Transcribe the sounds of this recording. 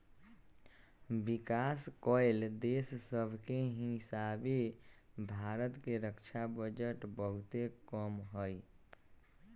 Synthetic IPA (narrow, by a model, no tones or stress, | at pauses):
bikaskɔɪld̪essəbʱkeɦisabe | bʱaɾət̪keɾəkt͡ʃʰabəd͡ʒəʈbəɦʊt̪ekəmɦəj